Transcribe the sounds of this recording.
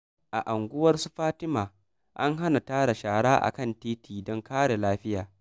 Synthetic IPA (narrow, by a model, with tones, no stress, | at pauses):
ʔa˨ʔa˨ŋɡʷʊ˦wɐ˦rsu˦ɸaː˦tɪ˦maː˨ | ʔa˦ŋɦa˦na˨taː˦ɽa˨ʃaː˨ɽaː˦ʔa̰˨kɐ˦˨ntiː˦tiː˨dɔ˦ŋkaː˦ɽe˨laː˦ɸɪ˦jaː˨